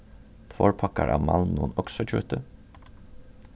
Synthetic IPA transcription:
t̪ʰʋoːɹpʰɑkɑɹʔɑːʋmɑlnuːənɔksɔc͡çʉːt̪ə

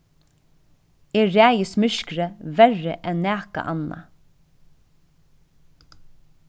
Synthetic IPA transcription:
eːɹæːjəsmʏʃkɾəʋæɹə̰ʔɛnːæːka̰ʔɑna̰

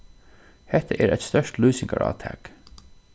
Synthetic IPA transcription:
hɛht̪əʔɛːɾʔæjt̪st̪œʂt̪luːsɪŋkaɹʔɑ̰ːt̪ʰæːk

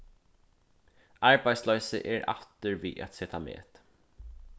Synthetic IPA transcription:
aɹbaj̪slœʏsə̰ʔɛɹa̰ft̪əɹviːʔæ̰t̪seːt̪ʰamḛːt̪

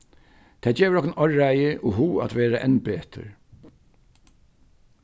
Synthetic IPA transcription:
t̪ʰɛːd͡ʒeːʋəɾɔhknɔɹajɪʔɔɦuːa̰t̪ʋeːɾaʔɛnbeːt̪ʰə̰ɾ

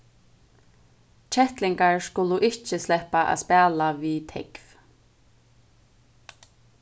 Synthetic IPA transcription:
t͡ʃʰɛht̪lɪŋkaɹskʊlʊʔɪht͡ʃɪslɛhpaʔa̰spɛːlaviːt̪ʰɛkv

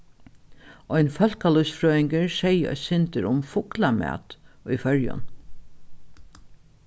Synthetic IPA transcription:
ɔjnfœl̥kalʊsfɾœːɪŋkəɹsɛjɔ̰sɪnt̪əɾʊmfʊklamæ̰ːt̪ujfœɹjʊ̰n

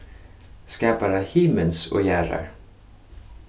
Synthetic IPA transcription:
skɑːpaɾaɪhiːmənso̰ːjæːɾə̰ɹ

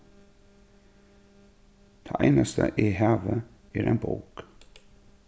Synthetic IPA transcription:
d̪̥eːʔæɪnast̪ʰə̰ʔiːhɑːʋə | æːɾʔeːnboːk

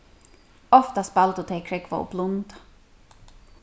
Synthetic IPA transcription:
ɔft̪aspalt̪ut̪ʰeːjkʰɾɛkva̰ʊ̰blʊnt̪ḁ

